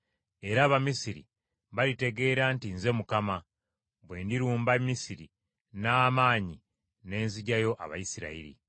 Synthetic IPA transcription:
e̞ɾaːβamisiɾḭ | βalite̞ɡe̞ːɾantinze̞mukama | βwe̞ːndiɾuːmbamːisiɾi | naːmaːɲi | ne̞ːnziɟajo̞ʔa̰βa̰jisiɾa̰iɾḭ

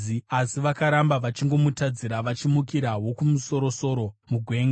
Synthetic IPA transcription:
iasiʋakaɾambaʋat͡ʃiŋɡo̞mutad͡ziɾaʋat͡ʃimukiɾawo̞kumuso̞ɾo̞so̞ɾo̞muɡʱwe̞ːŋɡa

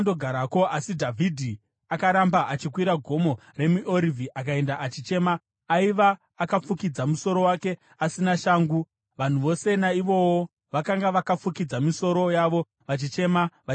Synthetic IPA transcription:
ndoɡʱaɾakoʔasidʱavʱidʱi | akaɾambaʔat͡ʃikwiɾaɡʱo̞mo̞ | re̞muʔo̞ɾivʱiʔak̬ae̞ndaʔat͡ʃit͡ʃe̞maː | iʋaː | kap͡fukid͡zamuso̞ɾo̞wake̞ | asinaʃaːŋɡu | ʋan̤uʋo̞se̞naiʋo̞wo | ʋakaŋɡaʋakap͡fukid͡zamiso̞ɾo̞jaʋo̞ | ʋat͡ʃit͡ʃe̞maʋa

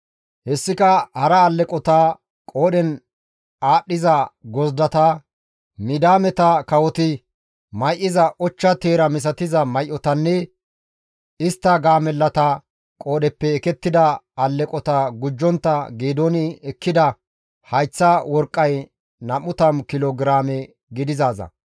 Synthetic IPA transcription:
hɛsːɪkɐhɐɾɐːlːɛkʼɔt̪a | kʼoːɗɛn | aːɗːɪzɐɡɔzd̪ɐt̪ɐ | mɪd̪aːmɛt̪ɐkɐwɔt̪ɪ | mɐjʔɪzɐʔɔt͡ʃːɐt̪eːɾɐmɪs̬ɐt̪ɪzɐmɐjʔːɔt̪ɐnːɛ | ɪst̪ːɐɡaːmɛlːɐt̪ɐ | kʼo̞ːɗɛpːɛːkɛt̪ːɪd̪ɐɐlːɛkʼɔt̪ɐɡʊd͡ʒːɔnt̪ːɐɡeːd̪onɪɛkːɪd̪ɐ | hɐjt͡sːɐwɔɾkʼːɐj | nɐmʊt̪ɐmkɪloːɡɾaːmɛ | ɡɪd̪ɪzaːzɐ̰

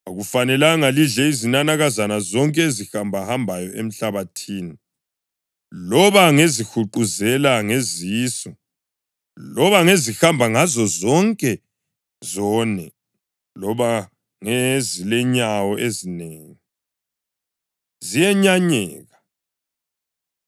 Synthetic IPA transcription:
aɣufanɛlaŋaliɮɛizinanaɣazanazɔŋkʼɛezixambʱahambʱajɔʔem̩ɬaβatʰiːni | lɔβaŋezixuǃuzɛlaŋeziːsɔ | lɔβaŋezixambʱaŋazɔzɔŋkʼɛ | zɔnɛ | lɔβa | ŋezilɛɲawɔʔezineːŋi | zijɛɲaɲɛːɣa

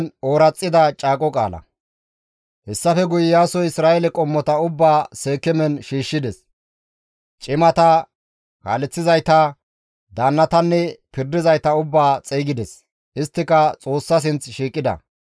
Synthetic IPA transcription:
no̞ːɾɐt͡sʼːɪd̪ɐt͡ʃʼaːkʼɔkʼa̰ːlɐ̰ | hɛsːɐfɛɡʊjɪjaːsɔjɪsɾaːʔɛlɛkʼɔmːɔt̪ɐʊbːaːse̞ːkːɛmɛnʃiːʃːɪd̪ɛs | t͡ʃʼɪmɐt̪ɐ | ka̰ːlɛt͡sːɪzɐjt̪ɐ | d̪aːnːɐt̪ɐnːɛpɪɾd̪ɪzɐjt̪ɐʊbːaːt͡sʼejɡɪd̪ɛs | ʔɪst̪ːɪkɐt͡sʼo̞ːsːɐs̬ɪnt͡sʃiːkʼːɪd̪ɐ̰

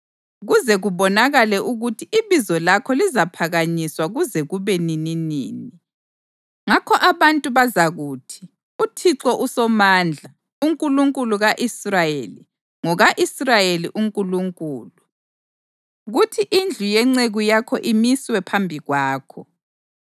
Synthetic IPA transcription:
ɣuzɛɣuβɔnaɣalɛʔuɣutʰiʔiβizɔlakʰɔlizapʰaɣaɲiswaɣuzɛɣuβɛnininḭːni | ŋakʰɔʔaβantʼuβazaɣuːtʰi̥ | utʰiǀɔʔusɔmand͡ɮʱa | uŋkʼuluŋkʼuluɣaʔisrajeli | ŋɔɣaʔisrajeliʔuŋkʼuluŋkʼuːlu | ɣutʰiʔind͡ɮʱujɛŋ͡ǀeɣujakʰɔʔimiswɛpʰambʱiɣwaːkʰɔ

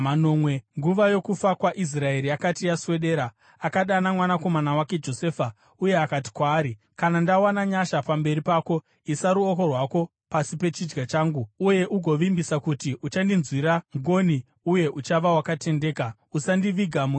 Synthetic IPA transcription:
mano̞mweŋɡuʋajo̞kufakwaʔis̬rae̞ɾiakatijaswe̞ɗe̞ːɾa | akaɗanamwanako̞manawake̞d͡ʒo̞se̞ːfa | uje̞akati̥kwaːɾi | kanandawanaɲaʃapambe̞ɾipaːko̞ | isaɾuoko̞rwako̞ | pasipe̞t͡ʃid͡ʒɡat͡ʃaːŋɡuuje̞ʔuɡʱo̞ʋimbisakutiʔut͡ʃandinzwiɾaŋɡo̞ni | uje̞ʔut͡ʃaʋawakate̞nde̞ːka | usandiʋiɡʱamu

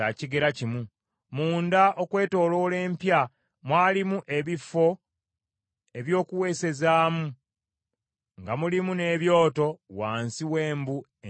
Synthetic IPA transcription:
aciɡe̞ɾacimu | muːndaʔokwe̞ːto̞ːlo̞le̞ːmpja | mwaːlimuʔe̞βifːo̞ | e̞βjo̞ːkuwe̞ːse̞zaːmu | ŋɡamulimune̞ːβjo̞ːto̞waːnsiwe̞ːmbu

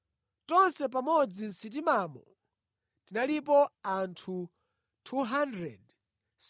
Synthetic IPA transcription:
tɔnsɛp̬amɔd͡zinsit̬imamɔ | tinalip̬ɔantʰu | tʰuɦandɾɛd | s

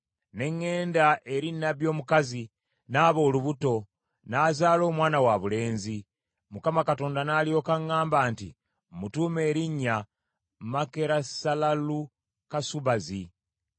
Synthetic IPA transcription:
ne̞ŋːe̞ːndaʔe̞ɾinaβjo̞ːmukazi | naːβo̞ːluβuto̞ | naːzaːlo̞ːmwaːnawaβule̞ːnzi | mukamakato̞ːndanaːljo̞ːkaŋːaːmbaːntḭ | mutuːme̞ːɾiɲːa | make̞ɾasalalu | kasuβazi

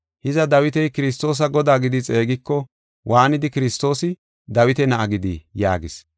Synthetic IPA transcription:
hɪzɐd̪ɐwɪt̪ɛjkɪɾɪst̪ːo̞ːs̬ɐɡɔd̪aːɡɪd̪ɪt͡sʼe̞ːɡɪkːɔ | wʔaːnɪd̪ɪkɪɾɪst̪o̞ːsɪ | d̪ɐwɪt̪ɛnɐʔɐɡɪd̪ɪja̰ːɡɪs

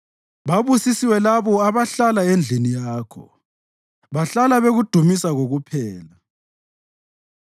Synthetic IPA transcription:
βaβusisiwɛlaβɔaβaɬalaend͡ɮʱinijaːkʰɔ̰ | βaɬalaβeɣud̥ʱumisaɣoɣupʰɛːla

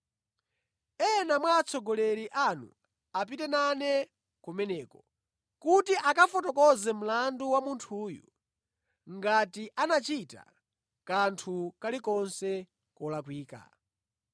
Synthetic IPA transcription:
ɛnamwaːt͡sʰɔɡɔlɛɾiʔanṵ | ap̬itɛnanɛ | kumɛnɛːkɔ | kutiʔakafɔtɔkɔzɛm̩landuwamuntʰuːjṵ | ŋɡatiʔanat͡ʃita̰ | kantʰukalikɔnsɛ | kɔlakwiːka̰

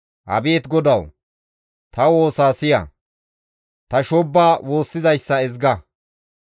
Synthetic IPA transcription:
hɐ̰beːt̪ɡɔd̪ɐw | t̪ɐwo̞ːsaːsɪjɐ̰ | t̪ɐʃɔbːaːwʔo̞ːsːɪzɐjsːɐɪzɡɐ

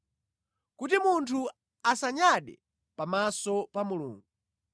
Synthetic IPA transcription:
kutimuntʰu | asaɲaɗɛ̰ | pamasɔpamulṵːŋɡu

